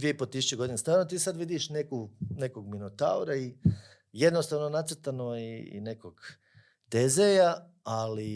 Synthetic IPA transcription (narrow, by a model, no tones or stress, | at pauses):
d̪ʋieipot̪isu̥t͡ɕeɡo̞d̪inest̪ajnot̪iːsad̪ʋid̪iʃne̞kune̞koɡminot̪a̰uɾai | je̞d̪nost̪aʋnonat̪sɾt̪anoiḭne̞koɡ | t̪ezeja | ali